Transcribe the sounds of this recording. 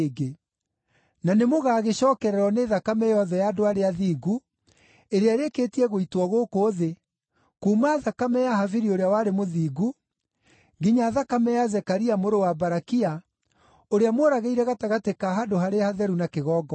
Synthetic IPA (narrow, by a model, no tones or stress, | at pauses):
ɡe | nanemoɣaːɣeɕɔːkɛɾɛɾɔneːðakamɛjɔðɛjadoaɾeaðiːɡu | eɾeaɾeketiɛɣoitwɔɣokoːðe | kuːmaðakamɛjaɦaviɾioɾeawaːɾemoðiːɡu | ŋɡiɲaːðakamɛjazɛkaɾiamoɾowabaɾakia | oɾeamoɾaɣeiɾɛɣataɣatekaɦadoɦaɾehaðɛɾunakeɣɔːɡɔ